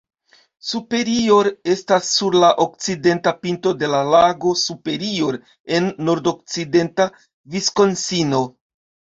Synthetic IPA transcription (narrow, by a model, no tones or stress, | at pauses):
supe̞ɾio̞ɾe̞stasːuɾlaʔo̞k̚t͡side̞ntapinto̞de̞lalaɡo̞supe̞ɾio̞ɾ | e̞nːo̞ɾdo̞k̚t͡side̞nta | visko̞nsino̞